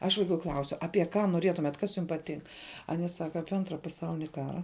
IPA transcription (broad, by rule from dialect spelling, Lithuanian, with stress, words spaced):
ɐʃ ʋɐɪˈkuː ˈklˠɐʊsʲʊ ɐpʲiɛ ˈkɑː noːˈrʲiɛtʊmʲɛt ˈkɐs jʊm pɐˈtʲɪŋk ˈɑːnʲiɛ ˈsɑːkɐ ˈɑːpʲiɛ ˈɐntrɐ pɐˈsɐʊlʲɪnʲɪ ˈkɑːrɐ